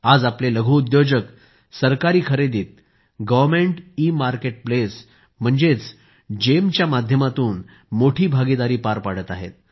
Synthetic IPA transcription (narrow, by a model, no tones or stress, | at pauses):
ad͡zapleləɡʱuud̪jod͡ʑək | səɾkaɾiːkʰəɾed̪iːt̪̚ | ɡəʋəɾmeɳʈiːmaɾkeʈ̚ples | m̤əɳd͡zet͡s | d͡ʑemt͡ɕjamad̪ʱjəmat̪uːn | moʈʰiːbʱaɡid̪aɾiːpaɾpaɽət̪aɦḛt̪̚